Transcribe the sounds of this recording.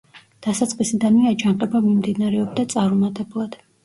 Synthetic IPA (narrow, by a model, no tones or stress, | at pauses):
d̪̥asat̪sʼqʼisid̪aniad͡ʒanqʼɛbamimd̪inaɾɛɔbd̪at̪sʼaɾumat̪ʼɛblˠad̪̥